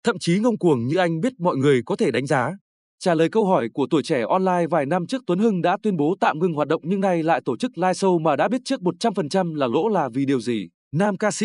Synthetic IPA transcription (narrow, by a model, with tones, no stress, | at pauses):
t̪ʰə̰˧˨mt͡ɕi˨˦ŋə˧wŋ͡mku˨˩əŋɲɨ̰˧ʔa˧jŋ̟ɓi˦˥ət̚mɔ̰˧˨jŋɨ˨˩əjkɔ˨˦t̪ʰe˧˩ɗa˨˦ŋ̟zaː˨˦ | t͡ɕaː˧˩ləː˨˩jkə˧wɦɔ˧˩jku˧˩ət̪u˧˩əjt͡ɕɛ˧˩ʔɔ˧nlaː˧jvaː˨˩jna˧mt͡ɕɨ˦˥ək̚t̪ə˨˦nhɨ˧ŋɗa̰ː˧˥t̪wi˧ənɓo˨˦t̪a̰ː˧˨wŋɨ˧ŋɦwaː˨˩t̚ɗə̰˧˨wŋ͡mɲɨ˧ŋna˧jla̰ː˧˨jt̪o˧˩t͡ɕɨ˦˥k̚laː˧jsə˧wmaː˨˩ɗa̰ː˧˥ɓi˦˥t̚t͡ɕɨ˦˥ək̚mo˨˩t̚t͡ɕa˧mfə˨˩nt͡ɕa˧mlaː˨˩lo̰˧˥laː˨˩vi˨˩ɗi˨˩əwzi˨˩ | naː˧mkaː˧sḭ˧˥